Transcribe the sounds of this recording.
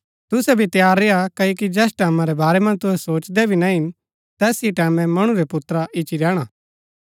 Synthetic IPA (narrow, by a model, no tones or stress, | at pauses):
t̪ʊsɛbʱit̪jaːɾːeakɐokid͡ʒɛːsʈɛːmãɾɛbaːɾɛmɐ̃nt̪ʊɦɛsoːt͡ʃd̪ɛbʱinɐɦɪn | t̪ɛːsiʈɛːmɛ̃mɐɽ̃uɾɛpʊt̪ɾaʔɪt͡ʃiɾɛːɽ̃aː